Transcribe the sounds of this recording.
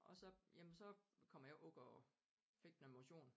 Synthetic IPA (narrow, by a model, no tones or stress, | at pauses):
ʔɒ̽sɒ̽jemnsɒ̽kʰɒ̽m̰ɐjaʔɔɡ̥ɐ | fe̝ɡ̥d̥enemoɕo̝̰ːn